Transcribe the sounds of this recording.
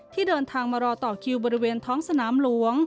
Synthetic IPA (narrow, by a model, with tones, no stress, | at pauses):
t̪ʰiː˥˩dɤː˧nt̪ʰaː˧ŋmaː˧ɾɔː˧t̪ɔː˨˩kʰi˧wbɔː˧ɾi˦˥weː˧nt̪ʰɔː˦˥ŋsa˧naː˩˦mlu˩˦əŋ